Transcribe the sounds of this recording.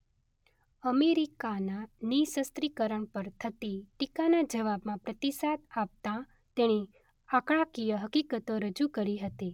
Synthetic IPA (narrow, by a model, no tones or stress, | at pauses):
əmeɾikananisəst̪ɾikəɾəɳpəɾt̪ʰət̪iʈikanad͡ʒəʋabmãpɾət̪isat̪ap̚t̪ã | t̪eɽ̃i | akɽ̃ãkijəɦəkikət̪oɾəd͡ʒukəɾiɦət̪i